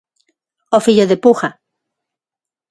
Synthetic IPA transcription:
ofiʎoðepuxa

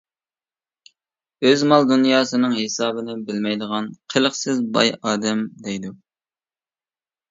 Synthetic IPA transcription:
øzmɑlˠd̪unjɑːsɨnɨŋɦesɑːbɪnɪbɪlmɛjd̪əʁɑnqʰəlˠəχsɪzbɑ̰jɑːd̪ɛmd̪ɛjd̪u

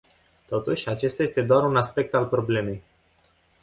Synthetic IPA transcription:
t̪o̞t̪uʃʲat͡ʃe̞st̪aje̞st̪e̞d̪oaɾunaspe̞k̚t̪alpɾo̞ble̞me̞j

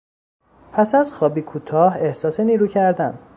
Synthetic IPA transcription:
pʰæsæzxɒːbiːkʰuːt̪ʰɒːhe̞hsɒːseniːɾuːcʰæɾd̪æn

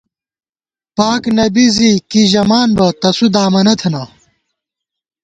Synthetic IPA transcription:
paːknɐbizikiʑɐmaːnbɐt̪ɐsud̪aːmɐnɐt̪ʰɐnɐ

